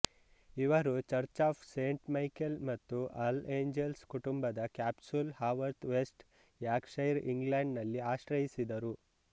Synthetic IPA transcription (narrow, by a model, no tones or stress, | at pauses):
iʋɐɾut͡ʃɐɾt͡ʃaːpʰseːɳʈmɐjkelmɐt̪ːuʔɐleːɲd͡ʒelskuʈumbɐd̪ɐkjaːpsulhaːʋɐɾt̪ʋesʈ | jjaːkʂɐjɾḭŋɡlaːɳɖnɐlːiaːʃɾɐjisid̪ɐɾu